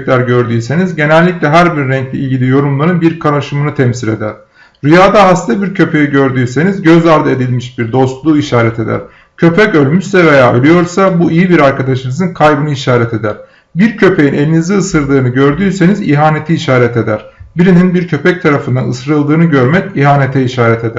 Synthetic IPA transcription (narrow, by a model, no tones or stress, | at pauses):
clʲæɾɟø̞ɾd̪yːse̞nizɟe̞nɛlʲːiclʲɛɦæɾbiɾɾɛɲclʲɛ̰ilʲɟilʲijo̞ɾumlˠaɾɯnbiɾkʰaɾaʃɯmɯnɯt̪ʰɛmsile̞̰d̪æɾ̥ | ɾyjaːd̪aɦast̪ʰabiɾcʰø̞pʰe̞jiɟø̞ɾd̪yːse̞nizɟøzaɾd̪ɯe̞d̪ilʲmiʃbiɾd̪o̞st̪lˠuːiʃaːɾɛt̪ʰe̞d̪æ̰ɾ̥ | cʰø̞pʰɛcø̞lʲmyʃsɛve̞jaːø̰lʲyjo̞ɾsabuʔijibiɾaɾkad̪aʃɯnɯzɯnkʰajbɯnɯiʃaːɾɛt̪ʰe̞d̪æɾ̥ | biɾcʰø̞pʰe̞jinelʲiniziːsɯɾlˠɯːnɯɟøɾd̪yːse̞niziɦaːne̞t̪ʰiːʃaːɾɛt̪ʰe̞d̪æɾ̥biɾininbiɾcʰøpʰɛc̚t̪ʰaɾafɯnd̪anɯsɾɯlˠd̪ɯːnɯɟø̞ɾmɛciɦaːne̞t̪ʰɛiʃaːɾɛt̪ʰe̞d̪æ